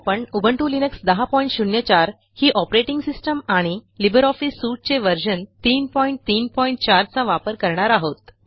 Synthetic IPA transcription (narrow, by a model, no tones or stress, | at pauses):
pəɳubʱəɳʈulinəksd̪əɦapɔiɳʈɕuɳjət͡ɕaɾ | hiːʔɔpɾeʈĩŋɡsisʈəmaɽ̃ilibəɾɔfisːuʈ̚t͡seʋəɾd͡ʑənt̪iːnpɔiɳʈ̚t̪iːnpɔiɳʈ̚t͡ɕaɾt͡saʋapəɾkəɾɳaɾaɦot̪̚